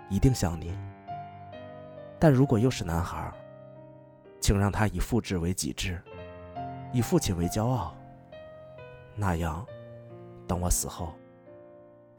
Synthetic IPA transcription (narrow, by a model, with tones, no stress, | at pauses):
i˧˥t̪i˥˧ŋɕjɑ˨˩ŋni˨˩˦ | t̪a˥˩nɻu˧˥kwɔ˨˩jo˥˧ʊʂɻ̩˥˩na˧˥nxə̰˧˥ | t͡ɕʰi˨˩ŋɻɑ˥˩ŋt̪ʰa˥i˨˩fu˥˧ʈ͡ʂɻ̩˥˩we˧˥ɪt͡ɕḭ˨˩ʈ͡ʂɻ̩˥˩ | i˨˩fu˥˩t͡ɕʰi˨˩nwe˧˥ɪt͡ɕjɑ˥ʊɑ˥˩ʊ | na˥˩jɑ˧˥ŋ | t̪ɤ˧˥ŋwɔ˨˧˩sɹ̩˨˩xo˥˩ʊ